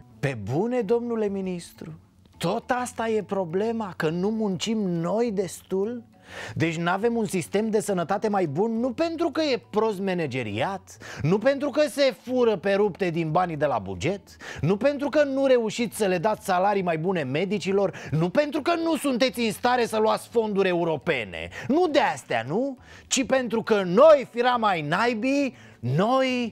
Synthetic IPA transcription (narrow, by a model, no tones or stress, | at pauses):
pe̞bune̞d̪o̞mnule̞minist̪ɾu | t̪o̞t̪ast̪aje̞pɾo̞ble̞makənumunt͡ʃimno̞jd̪e̞st̪ul | d̪e̞t͡ʃʲnave̞munsist̪e̞md̪e̞sənət̪at̪e̞majbunːupe̞nt̪ɾukəje̞pɾo̞st̪me̞ne̞d͡ʒe̞ɾḭat̪nupe̞nt̪ɾukəse̞fuɾəpe̞ɾupt̪e̞d̪inbanʲd̪e̞la̰bṵd͡ʒe̞t̪nupe̞nt̪ɾukənuɾe̞uʃit̪sʲsəle̞d̪at̪sʲsalaɾijmajbune̞me̞d̪it͡ʃilo̞rnupe̞nt̪ɾukənusunt̪e̞t̪sʲinst̪aɾe̞səluat̪sʲfo̞nd̪uɾʲe̞uɾo̞pe̞̰nḛnud̪e̞ast̪a̰nu | t͡ʃipe̞nt̪ɾukəno̞jfiɾamajnajbi | no̞j